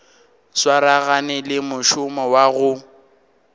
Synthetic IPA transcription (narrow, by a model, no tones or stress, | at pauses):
swaɾaɣanɛlɪmʊʃʊmɔwaɣʊ